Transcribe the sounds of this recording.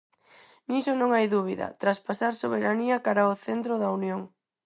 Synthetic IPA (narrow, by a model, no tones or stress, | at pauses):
nisonõŋajðuβ̞iðɐ̰t̪ɾaspasaɾsoβeɾaniɐkaɾaoθent̪ɾʊðɐunjoŋ